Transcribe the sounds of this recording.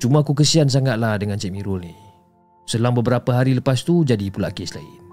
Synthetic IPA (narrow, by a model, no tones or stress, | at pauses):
t͡ʃumaakuk̬əsians̬aŋat̪̚lahdəŋant͡ʃɛʔ̚miɾolni | səlaŋbəbəɾapəɦaɾiləpast̪ud͡ʒadipulaʔkesla̰ḭ